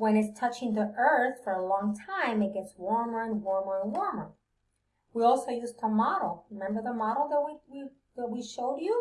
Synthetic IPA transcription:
wɛ̃nɨtstʰʌt͡ʃɪ̃ŋðiʔɜ˞θfə˞əlɔ̃ŋtʰãɪ̃mɨt̚ɡ̥ɛtswɔɹmə˞ɨ̃nwɔɹmə˞ə̃nwɔɹmə˞ | wiɔlˠsoʊjʉstʰəmɑɾl̩ˠɹɨmɛ̃mbə˞ðəmɑɾl̩ˠðət̚wiwi | ðət̚wiʃoʊdu

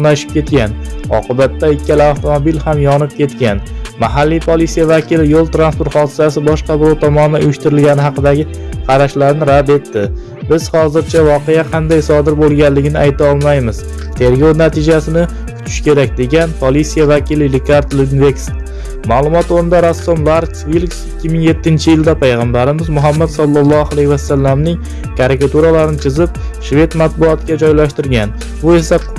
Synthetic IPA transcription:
naʃɪ̥p̚kʲʰe̞t̪kʲanɒ̰qʰɨbat̪ːaɪkʲːalɪaft̪ʰomobilhamjɒnɪp̚kʲe̞t̪kʲanmaɦalːijpʰolˠit̪sijavakʲɪlɪjolˠt̪ɾanpoɾt̪χɒd̪ɪsasɪbɒʃqɑbɪɾɒt̪ʰɒmɒnɪd̪aʊjɪʃt̪ɪɾɪlɡʲanɪɦɑqɨd̪aɡʲɪ | qʰɑɾaʃlaɾnɪɾad̪e̞t̪ːɪ | bɪz̥hɒzɪɾt͡ʃʰavɒqʰe̞jaqʰɑnd̪ajsɒd̪ɪɾbolˠɡʲanlɪɡʲɪnɪʔajt̪ʰaɒlˠmajmɪz̥ | t̪ʰe̞ɾɡownat̪ʰɪd͡ʒasɪnɪ | kʰʊ̥t̪ʰɪ̥ʃkʲʰe̞ɾak̚ʲd̪e̞ɡʲanpʰolˠisijavakʲʰilɪlɪkʰaɾt̪lɪnvekst̪ | malˠʊmɒt̪oɾɪnd̪aɾasːomlˠaɾksvilksɪkʲːɪmɪŋje̞t̪ʰːɪnt͡ʃʰɪjɪld̪apʰajʁambaɾɪmɪzmʊɦamːad̪sɒlˠːɑlˠːɒalajhvasalːamnɪŋ | kʰaɾɪkat̪uɾalaɾɪnɪt͡ʃʰɪzɪp̚ | ʃve̞t̪mat̪̚bʊɒt̪ʰɪɡʲad͡ʒɒjlaʃt̪ɪɾɡʲan | bʊe̞sa

